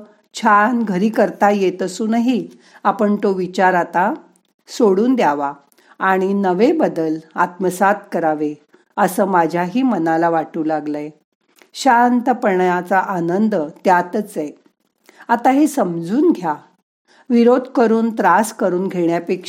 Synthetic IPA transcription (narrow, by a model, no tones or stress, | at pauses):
t͡ɕʰanɡʱəɾiːkəɾt̪ajet̪əsuːnaɦi | apəɳt̪oʋit͡ɕaɾat̪a | soɽuːnd̪jaʋa | aɽ̃inəʋebəd̪əlat̪̚məsat̪̚kəɾaʋe | əsəːmad͡ʑʱjaɦiːmənalaʋaʈuːlaɡləj | ɕant̪əpəɳjat͡saʔanənd̪ət̪jat̪ət͡se | at̪aɦesəmd͡zuːnɡʱja | ʋiɾod̪ʱkəɾuːnt̪ɾaskəɾuːnɡʱeɽjapekʂ